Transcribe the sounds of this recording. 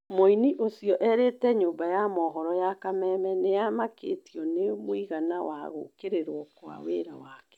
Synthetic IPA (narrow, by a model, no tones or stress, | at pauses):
moiniʔosijɔʔɛɾetɛɲoːmbajamɔɦɔɾɔjakamɛmɛnejamakḛtiɔnemwiɣanawa̰ɣo̰keɾeɾwɔkwa̰wḛɾawakɛ̥